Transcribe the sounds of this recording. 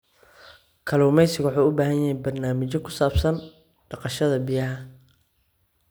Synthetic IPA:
kʰɐluːmɛjsɪɣwħuːʊbaːɦɐjɐɦɛjbɐrnaːmɪt͡ʃɔkʰʊ̥saːbsɐn | ɖɑqɑʃɐðɐbijɐɦɐ

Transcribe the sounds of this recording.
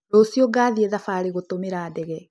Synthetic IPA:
ɔsjoɡaːðiɛðafaɾeɣotomeɾaːdɛɣɛ

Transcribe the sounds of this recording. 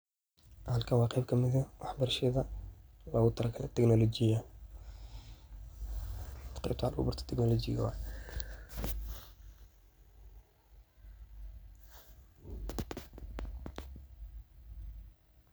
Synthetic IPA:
hɐlkʰɐnwɑːqɛjb̚kʰɐmɪðɐwɑħbɐrʃɛðɐlɔːɣʊt̪ʰɐlɐkʰɐlɛ̰t̪ʰɛɡnɔlɔd͡ʒɪjɐ | t̪qɛjb̚t̪ʰʊɑlʊ̰bʊrt̪ʰɔ̥t̪ʰɪɡnɔlɔd͡ʒɪ̰ɣɐ̰wɑ

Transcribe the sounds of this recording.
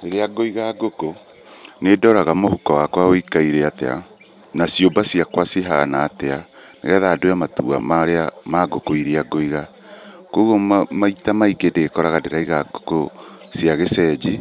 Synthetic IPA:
iɾeaɡoiɣaɡoko | nedɔɾaɣamohukɔwakwaoikaiɾeatɛ̰a̰ | nasjobasjakwaseɦanaːtɛaneɣɛðaːdojamatṵa̰maɾeamaɡokoiɾeaɡoiɣa | koɣomaitamaiɡedeɣekɔɾaɣadeɾaiɣaɡokosjaɣesɛd͡ʒi

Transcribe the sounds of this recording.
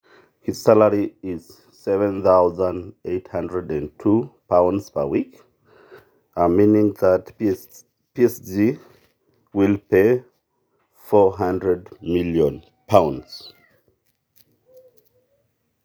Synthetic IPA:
hiz̥saləɹiɪz̥ | sɛvə̃nθaʊzə̃ndeɪthʌ̃ndɹədæ̃ntʰupʰãʊ̃ndz̥pə˞wik | əmĩnɪ̃ŋðət | piɛsdi | wilˠpʰe | fɔɦãndɹədmɪljə̃n | pʰãʊ̃ndz̥

